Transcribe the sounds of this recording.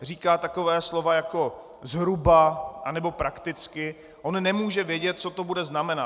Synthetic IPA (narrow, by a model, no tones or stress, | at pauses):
r̝iːkaːt̪ako̞vɛːslo̞vajako̞ | zɦɾubaʔanɛbo̞pɾakt̪ɪt͡skɪ | ʔonnɛmuːʒɛvjɛɟɛt̪̚t͡so̞t̪o̞budɛznamɛna